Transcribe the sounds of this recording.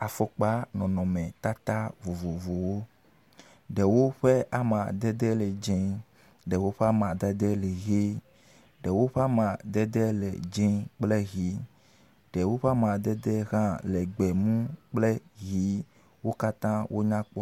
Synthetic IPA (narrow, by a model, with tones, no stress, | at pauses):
a˨fo˦k͡pa˦nɔ̃˨nɔ̃˨mɛ̃˨t̪a˦t̪a˦vo˨vo˨vo˨wo˦ | ɖɛ˨wo˦ɸe˦ʔa˨mã˨d̪ɛ˦d̪ɛ˦lɛ˨d͡ʒẽ˦ | ɖɛ˨wo˦ɸe˦a˦mã˨d̪ɛ˦d̪ɛ˦le˨ɣe˦ | ɖɛ˨wo˦ɸe˦a˦mã˨d̪ɛ˦d̪ɛ˦lḛ˨d͡ʒẽ˦k͡ple˦ɣi˨˦ | ɖɛ˨wo˦ɸe˦a˦mã˨d̪ɛ˦d̪ɛ˦ɣã˦le˨ɡ͡bɛ˨mũ˦k͡ple˦ɣi˨˦ | wo˦ka˦t̪ã˦wʔo˦ɲã˦k͡pɔ˦